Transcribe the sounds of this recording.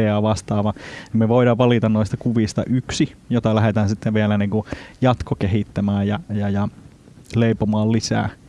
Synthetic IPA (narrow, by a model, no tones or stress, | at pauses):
eɑːʋɑst̪ɑːʋɑemmeʋoiɾɑʋʋɑlit̪ɑnnoist̪ɑkuʋiˑst̪ɑ̰ʔyksijot̪ɑlæɦet̪æːnsit̪ːeʋʋielæniːŋkujɑt̪kokehiˑt̪ːæmæːjjɑjɑjɑ | leipomɑːllisæ̰ː